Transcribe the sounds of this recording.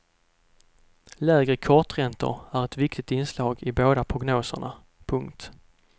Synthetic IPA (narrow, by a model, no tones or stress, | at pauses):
lɛːɡɾəkʰɔʈɾɛnt̪ʊ̰ɾæɾɛt̪vɪkt̪ɪt̪ɪnslɑːɡɪboːd̪apʰɾʊɡnoːsə̰ɳa | pʰɵŋkt̪